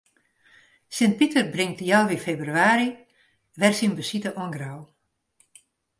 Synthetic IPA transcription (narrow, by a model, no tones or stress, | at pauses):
sɪnt̚pitərbrɪŋtjawʋifeːbryaːɾi | ʋɛrsinbəsitəʔɔŋɡraw